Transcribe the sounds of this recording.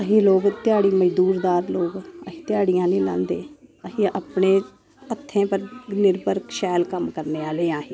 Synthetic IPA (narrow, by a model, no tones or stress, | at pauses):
əɦeːloːɡt̪ɪjaːɽiːməd͡ʒd̪uːɾd̪aːɾloːɡəɦiːt̪ɪjaːɽijãːnĩːlã̰ːnd̪eːəɦiːəːpɳeː | ət̪ʰːẽːpəɾnɪɾbəɾkʃɛːlkəmkəɾneːaːleːaːɦeː